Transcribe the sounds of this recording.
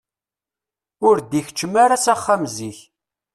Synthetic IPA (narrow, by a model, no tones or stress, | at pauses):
ʊɾd̪iç̥t͡ʃːəmaɾasaχːamziç